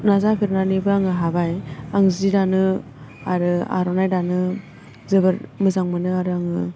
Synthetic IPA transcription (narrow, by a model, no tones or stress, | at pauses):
nazapʰiɾnanibɯaŋɯɦabajaŋzidanɯ | aɾɯa̰ɾɔnajdanɯ | zɯbɯɾmɯzaŋmɯnɯaɾɯaŋɯ